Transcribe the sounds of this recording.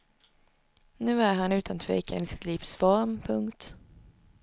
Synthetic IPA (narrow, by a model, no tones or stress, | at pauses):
nʉ̟ːæɾɦanʉ̟ːt̪ʰant̪ʰvɛ̰ːkʰa̰nɪsɪ̥t̪ʰliːfsfɔɾmpʰɵŋkt̪